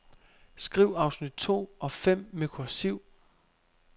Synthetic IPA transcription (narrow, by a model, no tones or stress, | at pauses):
sɡ̥ʁiʊ̰ɑ̈ʊsnid̥̚t͡sʰo̝̰ːɒ̽fem̰mekʰosiʊ̰